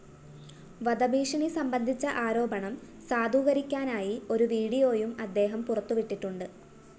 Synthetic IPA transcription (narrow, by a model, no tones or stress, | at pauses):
ʋɐd̪ɐbʱiːʂɐɳisɐmbɐnd̪ʱit͡ɕːɐʔaːɾo̞ːbɐɳɐm | saːd̪ʱuːɣɐɾikʲːaːnaːjio̞ɾuʋiːɽijo̞ːjumɐd̪ːe̞ːɦɐmpurɐt̪ːuʋiʈːiʈːuɳɖɨ